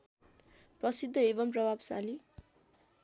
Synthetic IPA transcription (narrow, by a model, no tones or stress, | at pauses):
prʌsid̪ʱːʌebʌmprʌbʱabsa̰li